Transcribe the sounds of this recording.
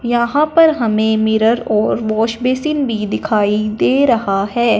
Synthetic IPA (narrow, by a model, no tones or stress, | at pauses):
jɐɦãpɐɾɦɐmẽmɪɾəɾɔːɾʋɔːʃbeːsɪnbʱid̪ɪkʰaːid̪eːɾɐɦaɦɛː